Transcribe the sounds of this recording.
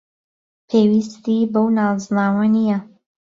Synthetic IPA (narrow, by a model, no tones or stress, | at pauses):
pʰeːwist̪ibɐwnaːznaːwɐnijɐ